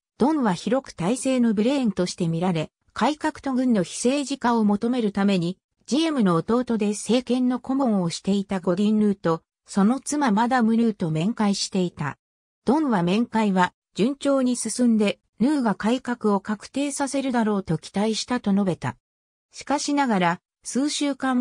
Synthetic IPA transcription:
d̪̥õ̞ɰ̃βaçiɾo̞kɯ̟̥t̪aise̞ːno̞bɯ̟ɾẽ̞nt̪o̞ɕi̥t̪e̞mʲiɾaɾe̞ | kaikakɯ̟̥t̪o̞ɡɯ̟̃nːo̞çi̥se̞ːʑikãomo̞t̪o̞me̞ɾɯ̟t̪ame̞ɲ̟i | d͡ʑiemɯ̟no̞ːt̪o̞ːt̪o̞d̪e̞se̞ːkẽ̞nːo̞ko̞mõ̞ɰ̃o̞ɕi̥t̪e̞it̪aɡo̞ɾʲĩnɾɯ̟ːt̪o̞ | so̞no̞t͡sɨmamad̪amɯ̟ɾɯ̟ːt̪o̞mẽ̞ŋkaiɕi̥t̪e̞it̪a̰ | d̪̥õ̞ɰβamẽ̞ŋkaiβa | d͡ʑɨ̃ɲ̟t͡ɕo̞ːɲ̟isɨsɨ̃nd̪e̞ | nɯ̟ːɡakaikakɯ̟o̞kakɯ̥t̪e̞ːsase̞ɾɯ̟d̪aɾo̞ːt̪o̞kʲʰi̥t̪aiɕi̥t̪at̪o̞no̞be̞t̪a̰ | ɕi̥kaɕinaɡaɾa | sɨːɕɨːkã

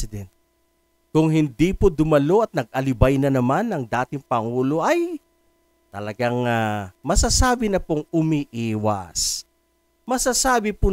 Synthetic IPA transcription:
ɪd̪ɛnt̪̚ | kʊŋɦɪnd̪ipʊd̪ʊmɐlo̞ʔɐt̪̚nɐɡ̚ʔɐlɪbajnɐnɐmanːɐŋd̪aːt̪ɪŋpɐŋuːlo̞ʔɐj | t̪ɐlɐɡaŋamɐsasaːbɪnɐpoŋʊmiʔiːwɐ̰s | mɐsasaːbɪpʊ

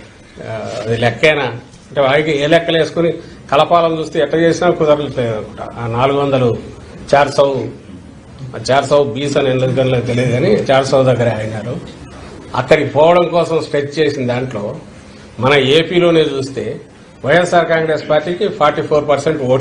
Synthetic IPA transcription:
ɐd̪ilɛkːɐjna | ɐɳʈeːʋaːlikieːlɛkːɐle̞ːsu̥kunikɐlɐpaːlɐmt͡ʃuːst̪e̞ːɛʈlɐːt͡ʃeːsinaːkut̪ɐɾeɐa̰ːnaːluɡuʋɐnd̪ɐlu | t͡ʃaːɾsɐw | t͡ʃaːɾsɐwbiːsɐnenɡɐnlek̪elid̪uɡaːnit͡ʃaːɾsɐwd̪ɐɡːɐɾaːjinaːɾu | ɐ̰kːɐɽikipɔːʋɐɽɐmkɔːsɐmsʈet͡ʃt͡ʃe̞ːsind̪aːɳʈlo̞ː | mɐnɐeːpiːlo̞ːne̞ːt͡ʃuːst̪e̞ː | ʋɐjesaːɾkaːŋɡɾe̞spaːɾʈiːkipʰaːɾʈiːpʰoːɾpɐɾseɳʈoː

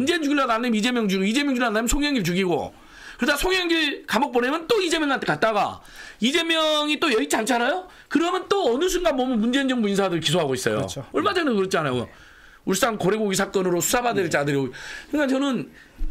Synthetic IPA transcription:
mund͡ʑe̞nd͡ʑuɡiɭːaandajid͡ʑe̞mjʌŋd͡ʑuiɡoid͡ʑe̞mjʌŋd͡ʑuɭandamjʌsʰoŋjʌŋiɭt͡ɕuɡiɡo̰ | kɯɾedasʰoŋjʌŋd͡ʑiɭkamʌk̚p͈onemjʌnt͈oid͡ʑe̞mjʌŋɡantʰekat̚t͈aɡa̰ | id͡ʑe̞mjʌŋit͈ojʌit͡ɕʰiant͡ɕʰanajo | kɯɾʌmjʌnt͈oʌnɯs̬ʰunɡanbʌmjʌnmund͡ʑeind͡ʑʌŋbuinsʰadɯɾɯɭkisʰoɦaɡois͈ʌ̰jo̰ʌɭmad͡ʑʌŋnekɯɾʌt͡ɕʰanajo̰j̰ | uɭs͈ankoɾe̞ɡoɡisʰak͈ʌnɯɾosʰu̥sʰabadeɭt͡ɕ͈adɯɾioɡkɯŋkat͡ɕʌnɯn

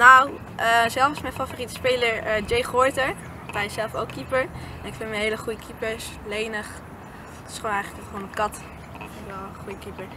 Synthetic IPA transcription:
naw | ʔəzɛlˠfɑsmɛjnfaforitə̥spejləɹd͡ʒejχɔɹtəɹ | tɛjsɛlˠfowkʰːipəɹ | ɛnɪkfɪnmɛnɦejləχujəkʰipəɹs | lejnəχ | tɪ̥sχoːnɛjχələkχʋonəkɑt | ɪtʋɛlˠχujəkipəɹ

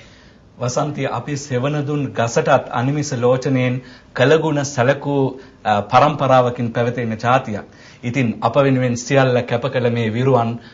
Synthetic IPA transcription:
ʋɐsɐnt̪iʔɐpiseʋɐnɐd̪unɡɐsɐʈɐt̪ʰɐ̰nimisɐloːt͡ʃɐneːn | kɐlɐɡuɳɐsɐlɐku | pɐɾɐmpɐɾaːʋɐkinpɛʋɐt̪ɐjnɐd͡ʒaːt̪ijɐ̰ | it̪inɐpɐʋinʋensijɐlːɐkɛpɐkɐlɐmeːʋiɾuʋɐn

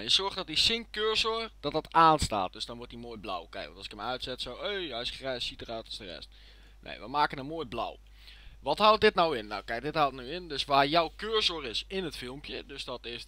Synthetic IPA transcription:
jəsɔrxtdɔtisɪŋkøːɹsord̥ɔtdɔtaːnsta̰ːt̚døsdɔnʋʊtimoːjbla̰wkɛ̰jkʋɔntɔsɪ̥kəmœɥtsɛtsoweːɛjsxrɛjssitərœɥtɔsdərɛ̰st | nḛjʋəmaːkənəmoəbla̰w | ʋɔthalˠt̚dɪtnawɪnːa̰wkɛjk̚dɪthalˠtnyɪndøsʋaːrjɔwkøːrsorɪsɪnətfɪlˠmpjə̰døsdɔtɪs

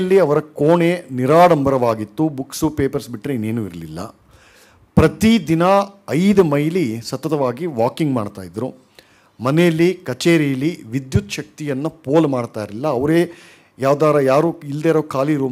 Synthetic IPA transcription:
lːiɐʋɐɾɐkoːɳeniɾaːɽɐmbɐɾɐʋaːɡit̪ːubuksupeːpɐɾsbiʈɾeineːnuːiɾɐlilːɐ̰ | pɾɐt̪id̪inɐɐjd̪ɐmɐjlisɐt̪ːɐt̪ɐʋaːɡiʋaːkiŋɡmaːɽt̪a̰ːjd̪ɾu | mɐnɛjɐlːikɐt͡ʃeːɾijɐlːiʋid̪jut̪ʃɐk̚t̪ijɐnːɐpoːlmaːɽt̪aːjiɾilːɐɐʋɐɾeː | jaːʋd̪aːɾɐjaːɾuːild̪eːɾoːkaːliɾuː

